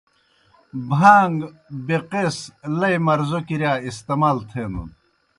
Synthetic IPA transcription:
bʱaːŋɡbeqeslɐjmɐɾzokiɾjaːist̪ɐmaːlt̪ʰeːnṵn

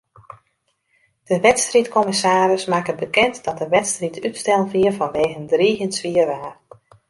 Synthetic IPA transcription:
d̥əʋɛtstritkʰɔmɪsaːɾəsmaːkəbəkɛntdɔt̚dəʋɛtstritʰytstɛlˠviərvɔnʋeːɣəndriɦənsʋiərʋaːr

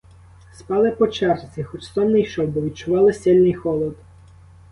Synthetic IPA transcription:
spɑlˠɪpɔt͡ʃɛrt͡sʲixɔt͡ʃsɔmnɛjʃɔwbɔʋʲid̪̚t͡ʃʊʋɑlˠɪsʲɛlʲnɪjxɔlˠɔd̪

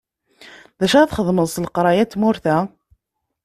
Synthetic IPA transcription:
ðæʃaθχəðˤməðˤsləqɾˤɑjæt͡sːmʊɾθæ

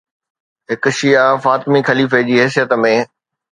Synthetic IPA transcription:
ɦɪkʊʃijafaːt̪mixɐliːfed͡ʑiːɦɛːs̬ijət̪mẽː

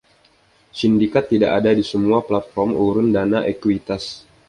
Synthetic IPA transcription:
sindikat̪ːidaʔadadisəmuaplat̪̚fɔrmuɾʊndanaʔekuit̪as

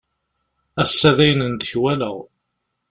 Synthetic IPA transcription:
æsːæðæjnənd̪əçwælə̰ʁ

